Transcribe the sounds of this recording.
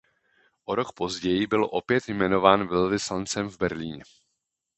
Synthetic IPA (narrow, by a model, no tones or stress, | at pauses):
ʔoɾo̞kpo̞zɟɛjɪbɪlʔo̞pjɛt̪jmɛno̞vaːnvɛlvɪslant͡sɛmvbɛɾliːɲɛ